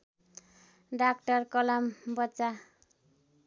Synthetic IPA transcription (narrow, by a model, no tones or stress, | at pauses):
ɖak̚ʈʌrkʌlʌmbʌt͡sa